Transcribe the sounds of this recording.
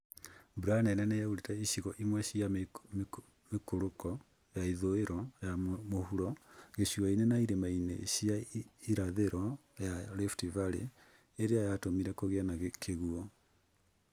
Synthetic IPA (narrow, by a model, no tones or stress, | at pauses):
buɾanɛnɛnɛjauɾetɛiʃiɣɔʔimwɛɕia | mekoɾokɔ | jaiðoeɾɔjamohuɾɔɣeʃiainenaiɾemainḛɕiaiɾaðeɾɔjaleftivaɾḛ | eɾeajatomiɾɛkoɣɛnaɣkʰeɣuɔ